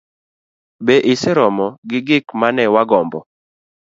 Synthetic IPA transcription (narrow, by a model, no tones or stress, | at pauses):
beʔɪsɛɾɔmɔɡɪɡɪkmanɛwaɡɔmbɔ